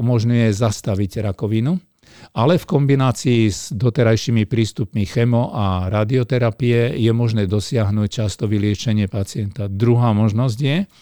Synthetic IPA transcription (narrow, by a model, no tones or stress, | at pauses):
umɔʒɲujɛzast̪aʋiɟɾakɔʋinu | alɛfkɔmbinaːt͡siːzd̪ɔt̪ɛɾajʃimipɾiːst̪upmixɛmɔʔaɾaːd̪iɔt̪ɛɾapijɛjɛmɔʒnɛːd̪ɔsɪaɦnuːc̚t͡ʃast̪ɔʋilɪɛt͡ʃɛɲɪɛpat͡sɪɛnt̪ad̪ɾuɦaːmɔʒnɔzɟjɛ